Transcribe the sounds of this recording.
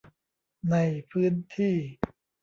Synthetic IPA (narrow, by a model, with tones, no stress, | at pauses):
na˧jpʰɯː˦˥nt̪ʰiː˥˩